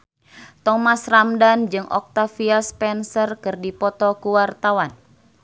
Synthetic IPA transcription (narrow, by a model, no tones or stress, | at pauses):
t̪ɔmasramdand͡ʒɨŋʔɔ̰k̚t̪afiaspɛnsərkɨrdipɔt̪ɔkuwart̪awan